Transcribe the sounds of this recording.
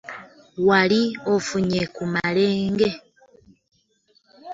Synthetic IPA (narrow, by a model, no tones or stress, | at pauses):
waliofuɲekumaleːŋɡe̞